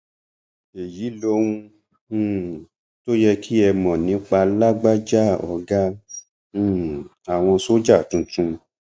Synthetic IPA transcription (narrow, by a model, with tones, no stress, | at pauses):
e˨ji˨˦lo˧wũ˧˨ | to˦jɛ˧kʰi˦ɛ˧mɔ̃˨nĩ˨˦k͡pa˧la˦ɡ͡ba˦d͡ʒa˦˨ɔ̰˧ɡã˦˨ | a˨w̃ɔ̃˧so˦d͡ʒa˦˨tũ˨˧tũ˧